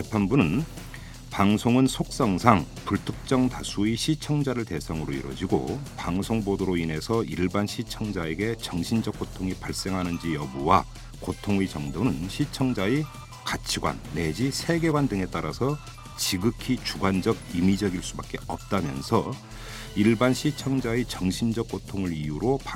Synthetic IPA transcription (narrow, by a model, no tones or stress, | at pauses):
epʰanbunɯn | paŋsʰoŋɯnsʰok̚s͈ʌŋsʰaŋ | puɭtʰɯk̚t͡ɕ͈ʌŋtasʰuiɕʰit͡ɕʰʌŋd͡ʑaɾɯɭte̞sʰaŋɯɾoḭɾwʌ̰d͡ʑiɡo̰paŋsʰoŋbodoɾoinɦe̞sʰʌiɭbanɕʰit͡ɕʰʌŋd͡ʑaeɡe̞t͡ɕʌŋɕʰind͡ʑʌk͈̚otʰoŋipaɭs͈e̞ŋɦanɯnd͡ʑijʌbuwa | kotʰoŋid͡ʑʌŋdonɯnɕʰit͡ɕʰʌŋd͡ʑai | kat͡ɕʰiɡwa̰nːe̞d͡ʑisʰe̞ɡe̞ɡwandɯŋe̞t͈aɾasʰʌ | t͡ɕiɡɯkʰit͡ɕuɡwand͡ʑʌɡimid͡ʑʌɡiɭs͈ubak͈̚e̞ʌp̚t͈amjʌ̰nsʰʌ | iɭbanɕʰit͡ɕʰʌŋd͡ʑaet͡ɕʌŋɕʰind͡ʑʌk͈̚otʰoŋɯɾijuɾopa